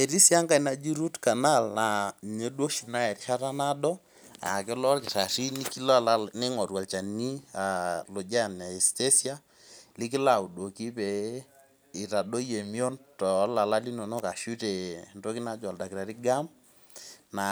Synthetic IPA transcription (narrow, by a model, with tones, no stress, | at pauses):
e˨ɾi˦sja˦ŋɡa˦i˨na˨d͡ʒi˦ɾu˦tka˨na˦˨lna˨ɲe˨˦do˦ʃi˨na˦ɛ˨ɾi˨ʃa˦ta˦na˦dɔ˦ | a̰˨ke˦lɔ˦lkɪ˨ta˨ʃi˦ni˦ki˦la˦la˦ne˦ŋɔ˨twa˨lt͡ʃa˨ni˦a˨lo˨d͡ʒa˦˨na˨ɛ˨ste˦sja˦ | li˦kɪ˦la˨u˨do˨ki˦pɛ˨˦ | i˨ta˨ɗo˦je˨mi˦o˦ntɔ˨˦la˨la˦li˦no˨nɔ˦ka˨ʃu˦te˨nto˦ki˦na˦d͡ʒwa˨lda˨ki˨ɾa˨ɾi˦ɡa˦m | na˨